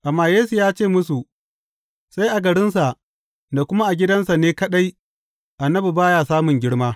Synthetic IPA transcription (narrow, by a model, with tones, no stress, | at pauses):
ʔa˨mːaː˨jeː˦su˨jaː˦t͡ʃeː˦˨mʊ˦su˨ | sa˦jʔa˨ɡɐ˨ɽɪ˦nsa˨ʔ | da˨kʷʊ˦ma˦ʔa˨ɡʲɪ˦dɐ˦nsa˨neː˦kɐ˦ɗa˦j | ʔa˨nːɐ˦bi˨baː˦jaː˨saː˦mʊ˨ŋɡʲɪ˦ɽmaː˦